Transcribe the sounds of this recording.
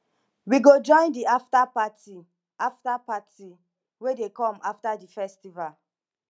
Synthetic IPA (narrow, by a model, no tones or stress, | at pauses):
wiɡod͡ʒɔ̃ɪ̃ndiaftapati | aftapati | wedekɔ̃maftadifɛstival